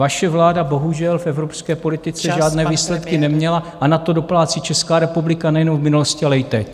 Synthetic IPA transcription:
vaʃɛvlaːdabo̞ɦuʒɛlfɛvɾopskɛːpo̞lɪt̪ɪt͡sɛʒaːdnɛːviːslɛt̪kɪnɛmɲɛlaʔanat̪o̞do̞plaːt͡sɪt͡ʃɛskaːɾɛpublɪkanajɛnomvmɪnuloscɪalɛjɪt̪ɛc

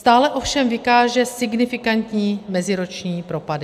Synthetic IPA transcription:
st̪aːlɛʔo̞fʃɛmvɪkaːʒɛsɪɡnɪfɪkant̪ɲiːmɛzɪɾot͡ʃɲiːpɾo̞padɪ

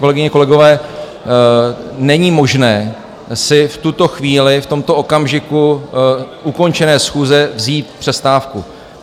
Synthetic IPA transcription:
kolɛɡɪɲɛko̞lɛɡo̞vɛː | nɛɲimo̞ʒnɛː | sɪft̪ut̪o̞xviːlɪft̪o̞mt̪o̞o̞kamʒɪku | ʔuko̞nt͡ʃɛnɛːsxuːzɛvziːt̪̚pr̥ɛst̪aːfku

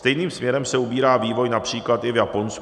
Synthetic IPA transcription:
t̪ɛjniːmsmɲɛɾɛmsɛubiːɾaːviːvo̞jnapr̝̥iːklat̪ɪvjapo̞ns

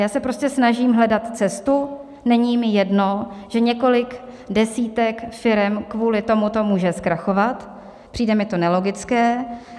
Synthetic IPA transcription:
jaːsɛpɾo̞scɛsnaʒiːmɦlɛdat̪t͡sɛst̪u | nɛɲimɪjɛdno̞ʒ̥ɛɲɛko̞lɪk | dɛsiːt̪ɛkfɪɾɛmkvuːlɪt̪o̞mut̪o̞muːʒɛskɾaxo̞vat̪ | pr̥iːdɛmɪt̪o̞nɛlo̞ɡɪt͡skɛː

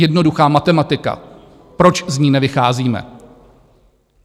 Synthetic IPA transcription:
ɛdno̞duxaːmat̪ɛmat̪ɪka̰ | pɾo̞t͡ʃzɲiːnɛvɪxaːziːmɛ̰

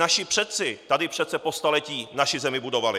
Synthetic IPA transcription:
aʃɪpr̥ɛt̪t͡sɪt̪adɪpr̝̥ɛt̪sɛpost̪alɛciːnaʃɪzɛmɪbudo̞valɪ

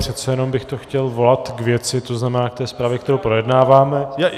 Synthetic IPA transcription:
pr̝̥ɛt̪t͡sɛjɛno̞mbɪxt̪oxcɛlvo̞lat̪ɡvjɛt͡sɪt̪o̞znamɛnaːk̚t̪ɛːspɾaːvjɛkt̪ɛɾowpɾo̞jɛdnaːvaːmɛj

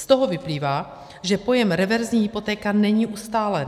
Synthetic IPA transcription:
st̪o̞ɦo̞vɪpliːvaː | ʒɛpo̞jɛmɾɛvɛɾzɲiːɦɪpo̞t̪ɛːkanɛɲiːʔust̪aːlɛn

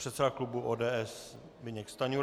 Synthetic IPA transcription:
r̥ɛt̪sɛdaklubuʔoːdɛːɛs | bɪɲɛkst̪aɲu

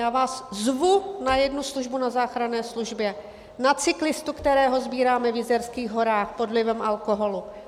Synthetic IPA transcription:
jaːvaːszvunajɛdnusluʒbunazaːxɾanɛːsluʒbjɛ | nat͡sɪklɪst̪ukt̪ɛɾɛːɦo̞zbiːɾaːmɛvjɪzɛɾskiːɣɦo̞ɾaːxpo̞dlɪvɛmʔalkoɦo̞lu

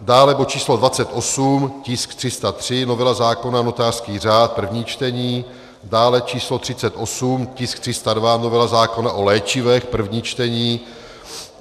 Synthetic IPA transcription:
daːlɛbot͡ʃiːslo̞dvat͡sɛt̪ʔo̞sumcɪskt̪r̥ɪst̪at̪r̝̥ɪnovɛlazaːko̞nano̞t̪aːr̥skiːr̝aːt̪̚pr̩vɲiːt͡ʃt̪ɛɲiː | daːlɛt͡ʃiːslo̞t̪r̥ɪt͡sɛt̪ʔo̞sumcɪsk̚t̪r̥ɪst̪advanovɛlazaːko̞naʔo̞lɛːt͡ʃɪvɛxpr̩vɲiːt͡ʃt̪ɛɲiː

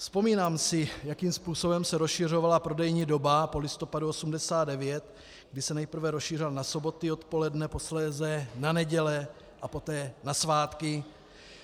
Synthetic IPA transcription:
fspo̞miːnaːmsɪjakiːmspuːso̞bɛmsɛɾosʃɪr̝o̞valapɾo̞dɛjɲiːdo̞bapo̞lɪst̪o̞paduosumdɛsaːdɛvjɛt̪ | ɡdɪsɛnɛjpr̩vɛɾosʃiːrɪlnaso̞bo̞t̪ɪo̞t̪po̞lɛdnɛpo̞slɛːzɛnanɛɟɛlɛ | ʔapo̞t̪ɛːnasvaːt̪kɪ

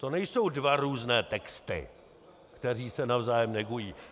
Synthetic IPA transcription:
t̪o̞nɛjso̞wdvaɾuːznɛːt̪ɛkst̪ɪ̰ | kt̪ɛr̝iːsɛnavzaːjɛmnɛɡujiː

